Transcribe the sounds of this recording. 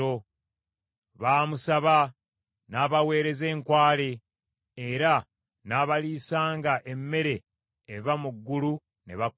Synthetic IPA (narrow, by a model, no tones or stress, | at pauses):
o | βaːmusaβa | naːβawe̞ːɾe̞ze̞ːŋkwaːle̞ː | ɾa | naːβaliːsaːŋɡaʔe̞mːe̞ɾe̞ː | vamuɡːulu | ne̞βa